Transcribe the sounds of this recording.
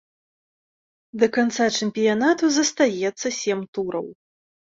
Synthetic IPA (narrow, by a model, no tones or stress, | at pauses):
d̪ɐkant̪sat͡ʂɛmʲpʲijanat̪uzɐst̪ajɛt̪sːɐsʲɛmt̪uɾɐ̰w